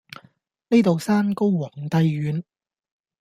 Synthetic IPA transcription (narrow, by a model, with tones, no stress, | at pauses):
neː˥t̪̬o˨wsaː˥nko˥wwɔː˨˩m̩˨˩t̪ɐ˧jːyː˨˥n